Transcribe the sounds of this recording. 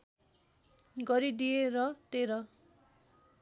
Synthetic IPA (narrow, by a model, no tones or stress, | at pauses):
ɡʌɾid̪ijeɾʌt̪eɾʌ